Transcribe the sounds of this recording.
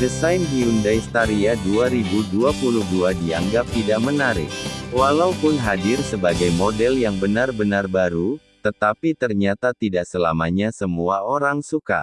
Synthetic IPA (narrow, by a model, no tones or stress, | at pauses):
dəsajnɦiundajst̪aɾiaduaɾibuduapuluhduadia̰ŋɡap̚t̪idaʔ̚mənaɾɪ̰k̚walaupʊnɦadɪrsəbaɡajmodɛljaŋbənarbənarbaɾut̪ət̪apit̪ərɲat̪at̪idaʔsəlamaɲasəmuaoɾaŋsuka̰